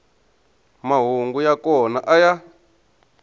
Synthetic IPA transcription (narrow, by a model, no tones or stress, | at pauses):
maɦuŋɡujakɔnaʔaja